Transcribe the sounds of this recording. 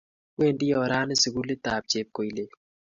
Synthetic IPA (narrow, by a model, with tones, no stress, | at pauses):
we˦˨ndɪ˦jɔ˨ɾa˦nɪ˦si˨ɡu˦le˦t̪a˨p̚t͡ʃe˨p̚ko˨i˨le˨